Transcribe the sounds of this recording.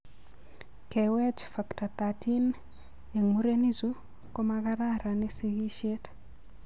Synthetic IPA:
kewɛt͡ʃfaktat̪atin | jɛŋmuɾenizu | komaɣaɾaɾaneseɣiʃet

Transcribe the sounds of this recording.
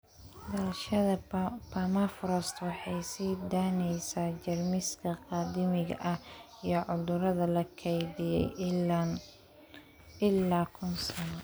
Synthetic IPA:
d̪ɐlɐʃɐðɐpʰɐmafɾɔst̪wɑħɑjsiːd̪aːnɛjsaːt͡ʃɐrmɪskʰɐqɑːd̪ɪmɪɣɐ̰ʔɐ | ijɞʕʊðʊɾɐðɐlɐkʰɛjðɪjɛ̰j | ɪlːaːkʰʊnsɐnɔ

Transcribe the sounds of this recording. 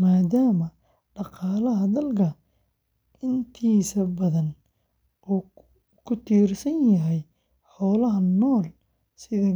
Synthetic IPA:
maːdaːmɐ | ɖɑqɑːlɐɦɐd̪ɐlkʰɐ | ɪnt̪ʰiːsɐbɐðɐn | uː | kʰʊt̪ʰiːrsɐnjɐɦɛj | ħɔːlɐɦɐnɔːl | sɪðɐ

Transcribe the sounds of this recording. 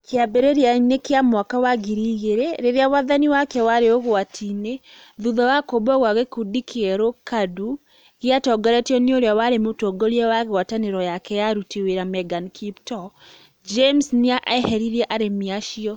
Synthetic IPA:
kʰeabeɾeɾjanekeamwakawaɡiɾiɣeɾeɾeɾeawaðaniwakɛwaɾeoɣoatʰine | ðuðɔwakobɔɣwaɣekudikʰeɛɾokadu | ɣiatɔɡɔɾɛtiɔnioɾeawaɾemotɔɡoɾiɛwaɣeɣwataneɾɔjakɛjaɾutiweɾamɛɡankʰiptɔ | d͡ʒemsniaʔɛhɛɾiɾɛʔaɾemiaʃiɔ

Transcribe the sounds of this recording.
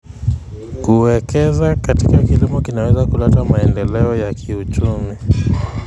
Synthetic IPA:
kuwɛkɛzakatikakilimɔkinawɛzakulatamaɛndɛlɛɔjakʰiut͡ʃumi

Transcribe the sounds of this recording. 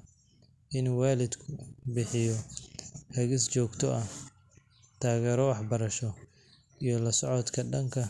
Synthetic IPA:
ʔɪnuwaːlɪd̪kʰʊbɪħɪjɔ | hɐɣɪst͡ʃɔːɡt̪ʰɔʔɐ | t̪ʰaːɣɛːɾɔwɑħbɐɾɐʃɔ | ijɔlɐsɔʕɔt̪kʰɐɖɐŋkʰɐ

